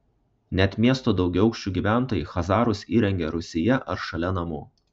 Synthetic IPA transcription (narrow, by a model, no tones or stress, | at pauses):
nʲɛt̪mʲiɛst̪oːd̪ɒʊɡʲɐʊkʃʲt͡ʃʲuːɡʲiˑʋʲæˑnˑt̪oːjɪxɐzɑːɾʊsiːɾʲɛŋʲɡʲeɾʊsʲɪjɛʔɐɾʃɐlʲɛnɐmʊː